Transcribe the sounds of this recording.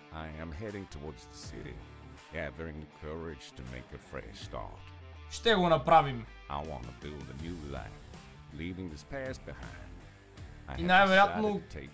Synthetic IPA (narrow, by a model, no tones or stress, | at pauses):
aɪɨ̃mɦɛɾɪ̃ŋtʰəwɔɹdzðəsɪ̰ɾḭ | ɡ̥ævə˞ɪ̃ŋðɨkʰɜɹɪd̥ʒ̥tʰɨmḛɪkɨfɹɛ̰ʃstɑ̰ɹt | ʃt̪ɛɣõnɐpɾavim | ʔa̰ɪwɑ̰̃ntəbɪlˠd̪ɨnjʉlã̰f | livɪ̃ŋðɪz̥pʰæzb̥ɨhã̰ɪ̃nd | aɪinɛvɐɾat̪nutʰeɪ